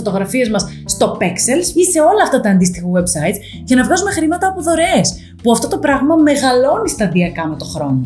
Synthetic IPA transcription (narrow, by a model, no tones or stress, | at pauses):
fo̞t̪oɣɾɐfiɐzmɐsːt̪o̞pekselsise̞o̞lɐːft̪ɐt̪ɐːnd̪ist̪ixɐwebsɐit̪ | cɐnɐvɣɐzumexɾimɐt̪ɐːpoðo̞ɾe̞s | puɐft̪o̞t̪o̞pɾɐɣmɐme̞ɣɐlo̞nist̪ɐðiɐkɐme̞t̪o̞xɾo̞̰no